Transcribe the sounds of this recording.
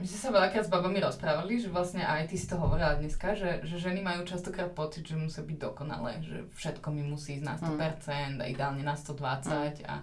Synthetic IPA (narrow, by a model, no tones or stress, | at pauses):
mismɛsaʋɛʎakɾaːd̪zbabamiɾɔspɾaːʋaliʒɛʋlastɲɛʔajt̪isi̥t̪ɔɦɔʋɔɾilad̪ɲɛskaʒɛʒɛʒɛnimajuːt͡ʃast̪ɔkɾaːt̪̚pɔt͡sid̪ʒɛmusiabiɟ̚d̪ɔkɔna̰lɛ̰ːʒɛ̰fʃɛt̪kɔmimusiːzna̰st̪ɔpɛɾt͡sɛnd̪a̰ḭd̪ɛaːlɲɛnast̪ɔd̪ʋat͡saca̰